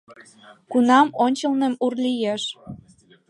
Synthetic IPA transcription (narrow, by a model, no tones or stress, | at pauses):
kunɑmonʲt͡ɕə̆lnemurlijeʃ